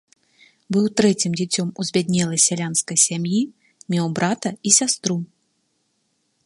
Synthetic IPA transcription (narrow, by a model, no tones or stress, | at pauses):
bɨwt̪ɾɛt͡sʲimd͡zʲit͡sʲɔmuzʲbʲad̪̚ʲnʲɛlˠɐjsʲalʲanskɐjsʲamji | mʲɛwbɾat̪ɐisʲast̪ɾu